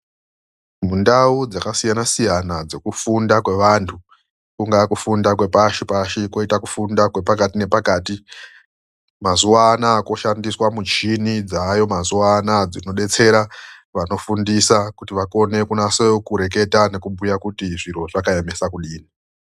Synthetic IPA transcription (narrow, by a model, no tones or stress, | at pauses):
mundaud͡zakasijanasijanad͡zo̞kufundakwe̞ʋantʰu | kuŋɡakufundakwe̞paʃipaʃiko̞itaku̥fundakwe̞pakatine̞pakaːti | mazuaːnaːko̞ʃandiswamut͡ʃinid͡zajo̞mazuanad͡zino̞ɗe̞t͡se̞ɾaʋano̞fundisakutiʋako̞ne̞kunasekuɾe̞k̬e̞tane̞kubujakutiʐiɾo̞ʐakaemesakuɗiːni